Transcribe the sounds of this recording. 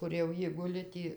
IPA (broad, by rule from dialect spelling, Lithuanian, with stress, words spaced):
kʊr jɛʊ ˈjɪ ˈɡʊlʲɪ ˈtʲiː